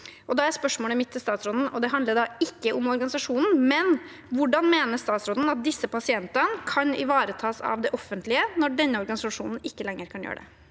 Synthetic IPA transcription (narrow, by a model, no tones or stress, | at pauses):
ʔɔd̪ɑæɾspœʂmoːləmɪt̪ʰːɪst̪ɑːt̪sɾɔd̪n̩ɔd̪ɛɦɑnd̪əɖ̪ɑɪkːəʔʊmɔɾɡɑnɪsɑʂuːnn̩mɛn | ʋʊɖɑnmeːnəst̪ɑːt̪sɾɔd̪n̩ɑt̪̚d̪ɪsːəpɑsɪɛnt̪ənkʰɑnɪ̰ʋɑːɾət̪ʰɑːsɑ̰ʋd̪ɛʔɔfːənt̪lɪənɔɖɛnːəɔɾɡɑnɪsɑʂṵːnn̩ɪkːəlɛŋːəɾkʰɑnjø̰ːəɖɛ̰